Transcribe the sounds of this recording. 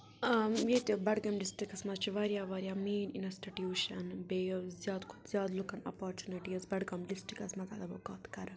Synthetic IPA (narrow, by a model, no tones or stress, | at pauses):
jet̪ibɐɽɡɐmɖisʈɾikɐsmɐt̪t͡ʃʰiʋaːɾjaːʋaːɾjaːmiːnḭnɐsʈiʈjuːʃɐnbezjaːd̪kʰu̥zjaːd̪lukɐnɐ̰paːɾt͡ʃuniʈiɐzbɐɖɡɐmɖisʈɾikɐsmɐzɐ̰d̪ɐbɐkaːt̪kɐɾ